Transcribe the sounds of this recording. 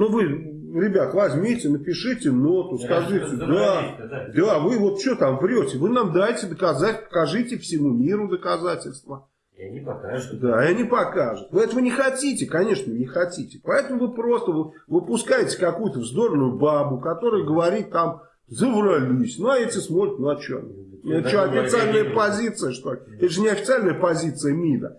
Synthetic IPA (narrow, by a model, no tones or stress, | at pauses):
nuvɨ | ɾʲɪbʲat̪vɐzʲmʲitʲɪnəpʲɪʂɨtʲɪnot̪ʊskɐʐɨtʲɪd̪a | d̪avɨvo̞t̪̚t͡ɕot̪amvɾʲotʲɪvɨnamd̪ajtʲɪd̪əkɐzatʲpə̥kɐʐɨtʲɪfsʲɪmumʲiɾʊd̪əkɐzatʲɪlʲst̪və | d̪aanʲɪpɐkaʐɨt̪vɨɛt̪əvənʲɪxɐtʲitʲɪkɐnʲe̞ʂnənʲɪxɐtʲitʲɪ̥pɐɛt̪əmʊvɨpɾo̞st̪əvɨ | vɨpʊskajɪtʲɪ̥kɐkujʊt̪əvzd̪o̞rnʊjʊbabʊkɐt̪o̞ɾɨjəɡəvɐɾʲit̪ːam | zəvrɐlʲisʲnuɐetʲɪsmo̞t̪ɾʲɪt̪ʲnuɐt͡ɕo̰ | nʲɐt͡ɕːoɐfʲɪt̪sɨalʲnəjəpɐzʲit̪sɨjəʂt̪olʲɪɛt̪əʐɨnʲɪɐfʲɪ̥t̪sɨalʲnəjəpɐzʲit̪sɨjəmʲinə̰